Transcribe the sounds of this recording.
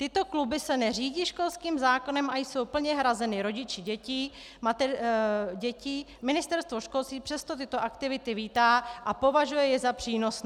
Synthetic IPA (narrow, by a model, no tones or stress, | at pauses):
t̪ɪt̪o̞klubɪsɛnɛr̝iːɟiːʃko̞lskiːmzaːko̞nɛmʔajso̞wpl̩ɲɛɦɾazɛnɪɾo̞ɟɪt͡ʃɪɟɛciː | mat̪ɛɟɛcɪ | mɪnɪst̪ɛɾst̪vo̞ʃko̞lst̪viːpr̥ɛst̪ot̪ɪt̪o̞ʔakt̪ɪvɪt̪ɪviːt̪aːʔapo̞vaʒujɛjɛzapr̥iːno̞s